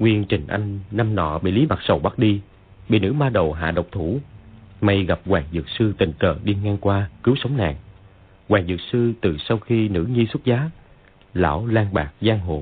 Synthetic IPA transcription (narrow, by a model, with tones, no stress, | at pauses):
ŋwi˧ənt͡ɕï˨˩ŋ̟ʔa˧jŋ̟na˧mnɔ̰˧˨ɓḭ˧˨li˨˦ma˨˩t̚sə˨˩wɓa˦˥t̚ɗi˧ | ɓḭ˧˨nɨ̰˧˥maː˧ɗə˨˩wɦa̰ː˧˨ɗə˨˩wk͡p̚t̪ʰu˧˩ma˧jɣa˨˩p̚ɣwaː˨˩ŋzɨ˨˩k̚sɨ˧t̪ï˨˩ŋ̟kəː˧˩ɗi˧ŋaː˧ŋkwaː˧kɨ˨˦wsə˨˦wŋ͡mna̰ː˨˩ŋ | ɣwaː˨˩ŋzɨ̰˨˩t̚sɨ˧t̪ɨ˨˩sa˧wxi˧nɨ̰˧˥ŋi˧swt̚zaː˨˦ | la̰ː˧˥˩wlaː˧ŋɓaː˨˩k̚zaː˧ŋɦo̰˧˨˩